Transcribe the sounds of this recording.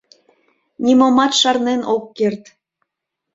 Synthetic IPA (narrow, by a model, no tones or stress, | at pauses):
nʲimomɑt̪ʃɑrnenʔokːert̪